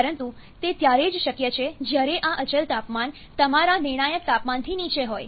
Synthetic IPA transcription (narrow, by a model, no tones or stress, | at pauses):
əɾənt̪u | t̪et̪jaɾed͡ʒʃəkjet͡ʃʰed͡ʒjaɾeʔaʔət͡ʃəlt̪apman | t̪əmaɾanɪɾɳ̃ajək̚t̪apmant̪ʰinit͡ʃeɦoj